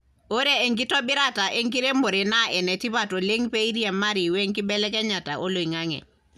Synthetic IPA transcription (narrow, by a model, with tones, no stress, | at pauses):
o˦ɾeː˦˨ŋk̬i˦tɔ˦bɪ˦ɾa˦ta˨ʔe˦ŋki˦ɾe˦mbo˨ɾe˨na˦ɛ˨nɛ˨ti˦βa˨to˨le˦ŋpe˦i˦ɾi˦ɛ˨mːa˦ɾi˨we˦ŋki˦bɛ˦lɛ˦kɛ˦ɲa˨ta˨ʔo˦lo˨i˨ŋa˦ŋɛ̰˨